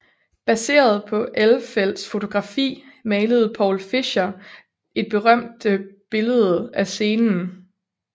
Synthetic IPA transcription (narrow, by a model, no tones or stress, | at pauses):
b̥æse̝̰ːɐð̞̩ˠpʰɒ̽ʔelfel̰d̥sfo̝t͡sʰo̝ɡ̥ʁɑ̈fḭːmɛːləð̞̩ˠpʰɒ̰ʊlfiɕɐ | e̝d̥̚b̥e̝ʁɶm̰d̥əb̥e̝ləð̞ˠæse̝ːnn̩